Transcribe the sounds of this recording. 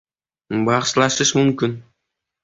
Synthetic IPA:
bɑqʃlˠɑʃəʃmɵmkʲɪn

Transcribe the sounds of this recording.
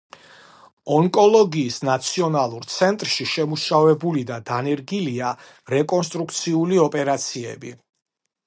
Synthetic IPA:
ɔŋkʼɔlˠɔɡiːsnat̪sʰiɔnalˠuɾt̪sʰɛnt̪ʼɾʃiʃɛmuʃavɛbulid̪ad̪anɛɾɡilia | ɾɛkʼɔns̬t̪ʼɾukʰt̪sʰiuliɔpʼɛɾat̪sʰiɛ̰bi

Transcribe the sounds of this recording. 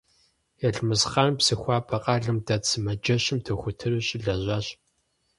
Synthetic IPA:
jɛɮmɨzχaːnpsɨxʷɑːpʰɐqʼɑːɮɨmdɐtsɨmɐd͡ʒɐɕɪmtʰɨxʷʊtʰɨrɨɕʼɪɮɐʑʷaːɕ

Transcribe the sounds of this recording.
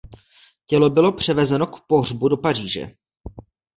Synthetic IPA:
cɛlo̞bɪlo̞pr̝̥ɛvɛzɛno̞kpo̞ɦr̝budo̞par̝iːʒɛ̰

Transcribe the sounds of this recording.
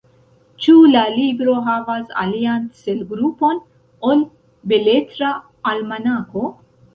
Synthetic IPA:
t͡ʃulalibɾo̞ɦavasa̰lianselɡɾupo̞n | ol | beletɾaː | lmanako

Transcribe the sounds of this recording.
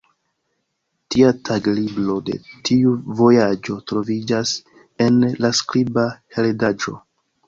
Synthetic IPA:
tiatʰaɡliblo̞de̞̰tʰiuvo̞jad͡ʒo̞tɾo̞vid͡ʒas | e̞nlaskɾibaheldad͡ʒo̞̰

